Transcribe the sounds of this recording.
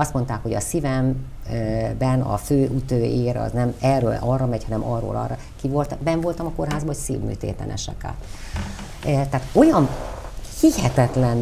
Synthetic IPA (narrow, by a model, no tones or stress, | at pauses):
ɒst̪mo̞nt̪aːkho̞ɟɒsivɛm | bɛnɒ̰føːʔut̪oːeːɾɒ̰znɛmɛrːøːlʔɒrːɒmɛchɒnɛmʔɒrːo̰ːlʔɒ̰rɒ | kivo̞lt̪bɛɱvo̞lt̪ɒmɒko̞rɦaːzbɒocsḭːvmy̰ːt̪ḛːt̪ɛ̰nɛ̰ʃɛ̰ka̰ːt̪ | t̪ɛɦːt̪o̞jɒnhihɛt̪ɛt̪lɛn